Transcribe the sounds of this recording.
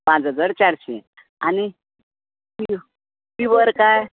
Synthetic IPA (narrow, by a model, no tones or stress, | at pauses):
pãt͡sɦəd͡zaɾt͡ɕaɾɕḛ̃ | a̰ni | mi | mibəɾkaj